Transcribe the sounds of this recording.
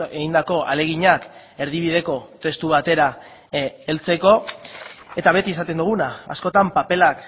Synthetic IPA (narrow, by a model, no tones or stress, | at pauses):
eɣind̪ako̞ʔa̰le̞ɣ̞iɲak | e̞ɾð̞iβ̞ið̞e̞ko̞t̪e̞st̪uβ̞at̪e̞ɾa | e̞lt͡se̞ko̞ | e̞t̪aβ̞e̞t̪iesat̪e̞nd̪uɣ̞unaa̰sko̞t̪ampape̞lak